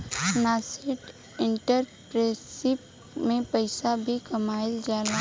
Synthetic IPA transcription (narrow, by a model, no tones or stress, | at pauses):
naːsɪʈ | ɪ̃ɳʈəɾpɾeːsɪp̚ | mẽpəɪsabʱikɐmaːɪld͡ʒaːla